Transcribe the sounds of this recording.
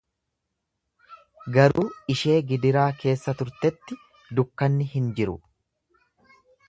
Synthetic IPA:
ɡɐɾuːɪʃe̞ːɡɪd̪ɪɾaːke̞ːsːɐt̪ʊɾt̪ɛt̪ːɪ | d̪ʊkːɐnːɪhɪnd͡ʒɪɾʊ̰

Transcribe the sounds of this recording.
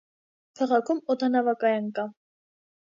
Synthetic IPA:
kʰɑʁɑkʰumɔt̪ʰɑnɑvɑkɑjɑnkɑ

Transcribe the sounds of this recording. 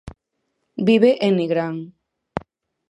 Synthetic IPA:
biβeʔeniɣɾaŋ

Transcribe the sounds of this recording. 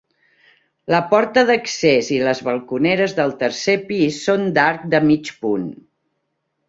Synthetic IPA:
ləpɔɾt̪əðəkseziləzβəlˠkunɛɾəzðəlˠt̪əɾsepisːond̪aɾk̚d̪əmit͡ʃpun

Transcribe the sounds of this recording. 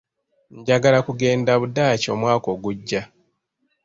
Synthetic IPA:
ɲɟaɡalakuɡe̞ːndaβudaːcoːmwaːko̞ːɡuɟːa

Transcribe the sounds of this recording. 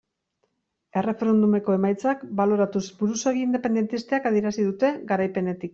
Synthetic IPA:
e̞re̞fe̞ɾe̞nd̪ume̞ko̞e̞majt͡sakbalo̞ɾat̪uzbuɾuso̞ɣiiːnd̪e̞pe̞nd̪e̞nt̪ist̪e̞akaðie̞ɾasiðut̪e̞ɡaɾajpe̞net̪ik

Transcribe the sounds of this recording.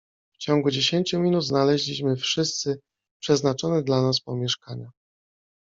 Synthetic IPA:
ft͡ɕɔŋɡud͡ʑeɕeɲt͡ɕumʲinud̪znalɛʑlʲiɕmɘfʂɘst̪sɘ | pʂɛznat͡ʂɔnɛd̪lanaspɔmʲjɛʂkaɲa

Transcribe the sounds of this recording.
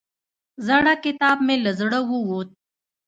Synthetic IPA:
zaɽakɪt̪ɑːb̚meləzɽəwuwut̪̚

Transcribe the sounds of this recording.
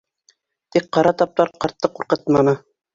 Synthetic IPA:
t̪ik̚qɑɾɑt̪ɑp̚t̪ɑɾqɑɾt̪ːɤquɾqɤt̪mɑnɤ

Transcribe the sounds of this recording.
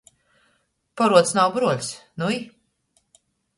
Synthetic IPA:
pɔɾuɔt̪snawbɾuɔlʲsnui

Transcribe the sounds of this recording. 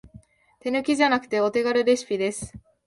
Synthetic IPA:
t̪e̞nɯ̟kʲiʑanakɯ̥t̪e̞o̞t̪e̞ɡaɾɯ̟ɾe̞ɕi̥pʲid̪e̞sɨ̥

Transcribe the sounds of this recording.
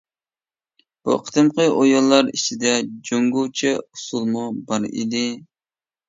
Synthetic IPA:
b̥ṵqʰə̥t̪ʰɨmqəʔojɔlˠːɑɾit͡ʃʰid̪ɛd͡ʒoŋɡut͡ʃʰɛusulˠmubɑɾḭd̪ɪ

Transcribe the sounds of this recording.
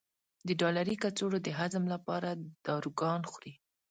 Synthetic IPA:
d̪əɖɑlaɾikat͡soɽod̪əɦazəmlapɑɾad̪̥ɑɾuɡɑnxɾi

